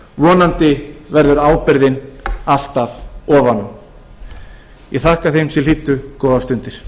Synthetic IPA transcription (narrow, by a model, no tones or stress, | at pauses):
vɔːnant̪ɪvɛɾðʏɾaːwpɪɾðɪnal̥t̪aðɔːvanʏm | jɛɣθahkaθejmsɛl̥iːt̪ːʏkɔːðast̪ʏnt̪ɪɾ̥